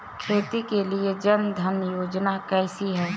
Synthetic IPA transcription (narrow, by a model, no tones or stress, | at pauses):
kʰɾeːt̪ikelied͡ʒənd̪ʱənjoːd͡ʒnakɛːsiɦɛː